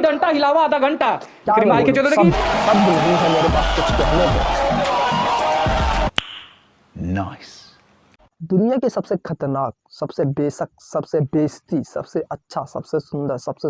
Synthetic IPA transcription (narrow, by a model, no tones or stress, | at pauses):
ɡɐ̃ɳʈaɦɪlaːʋaːd̪aɡɐ̃ɳʈaː | kʲjaɾɪmaːlked͡ʒod̪bsɐbːnɐɦĩɦɛmeːɾepaːskʊt͡ʃʰkɛɦneɦɛ̰̃ː | na̰ːɪs | d̪ʊnijakesɐbsekʰɐt̪əɾnaːk̚sɐbsebeːsək̚sɐbsebeːst̪isɐ̰bseʔɐtːʃʰasɐ̰bsesʊ̃nd̪əɾsɐb̥se